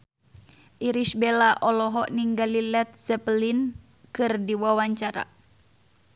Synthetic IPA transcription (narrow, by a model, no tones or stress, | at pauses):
ʔiɾisbelaʔɔlɔɦɔʔniŋɡalilɛt̪̚zɛplin | kɨrdiwawaɲt͡ʃaɾa̰